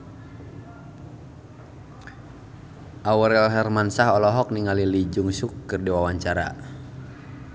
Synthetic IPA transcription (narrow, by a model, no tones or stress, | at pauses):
ʔawəɾɛlɦɛrmansaɦɔlɔɦɔk̚niŋalilid͡ʒʊŋsʊkːɨrdiwawaɲt͡ʃaɾa̰